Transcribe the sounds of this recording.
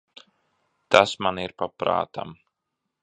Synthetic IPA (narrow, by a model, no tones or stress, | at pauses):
t̪asmaniɾpapɾa̰ːt̪a̰m